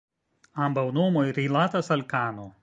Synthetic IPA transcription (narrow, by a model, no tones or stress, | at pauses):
ɐmbɐʊnoːmoɪɾʲilˠaːt̪ɐsɐlʲkaːno